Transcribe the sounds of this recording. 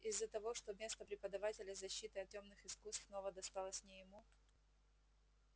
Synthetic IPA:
ɪzːət̪ɐvo̞ʂt̪omʲe̞st̪əpɾʲɪpəd̪ɐvatʲɪlʲɪzɐɕːit̪ɨɐtʲomnɨxɪskust̪fno̞vəd̪ɐst̪ɑlˠəsʲnʲɪjɪmu

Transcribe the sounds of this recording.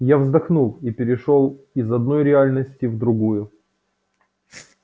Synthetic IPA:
javzd̪ɐxnulˠipʲɪɾʲɪʂo̞lˠ | izɐd̪no̞jɾʲɪalʲnəsʲtʲɪvd̪ɾʊɡujʊ

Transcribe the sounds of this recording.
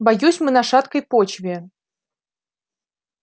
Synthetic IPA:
bɐjusʲmɨnɐʂat̪kəjpot͡ɕvʲɪ

